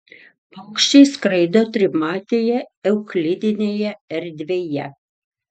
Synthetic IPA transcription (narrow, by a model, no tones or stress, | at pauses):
pɐʊkʃʲt͡ʃʲɛɪskɾɐɪd̪oːt̪ʲɾʲɪmɑːt̪ʲeːjɛɛʊklʲɪd̪ʲɪnʲeːjɛɛɾʲd̪ʲʋʲeːjɛ